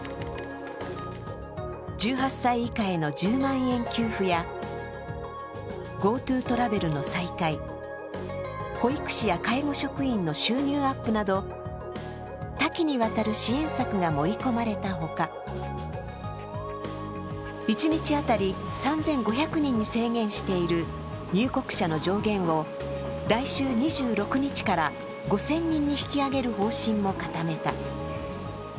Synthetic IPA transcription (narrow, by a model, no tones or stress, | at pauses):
d͡ʑɨːɦasːaiːkae̞no̞d͡ʑɨːmãɰ̃ẽ̞ŋkʲɨːɸɯ̟ja | ɡo̞ːt̪ɯːt̪o̞ɾabe̞ɾɯ̟no̞saikai | ho̞ikɯ̟̥ɕijakaiɡo̞ɕo̞kɯ̟ĩnːo̞ɕɨːɲʲɨːapːɯ̟nad̪o̞ | t̪akʲiɲ̟iβat̪aɾɯ̟ɕiẽ̞ɰ̃sakɯ̟ɡamo̞ɾʲiko̞maɾe̞t̪aɦo̞ka | it͡ɕiɲ̟it͡ɕiat̪aɾʲi | sãnzẽ̞ŋɡo̞çʲakɯ̟ɲ̟ĩɲ̟ːise̞ːɡẽ̞ɰ̃ɕi̥t̪e̞iɾɯ̟ | ɲ̟ɨːko̞kɯ̥ɕano̞ʑo̞ːɡẽ̞ɰ̃o̞ | ɾaiɕɨːɲ̟iʑɨːɾo̞kɯ̟ɲ̟it͡ɕi̥kaɾa | ɡo̞sẽ̞ɲ̟ːĩɲ̟ːiçi̥kʲiaɡe̞ɾɯ̟ɦo̞ːɕĩmːo̞kat̪ame̞t̪a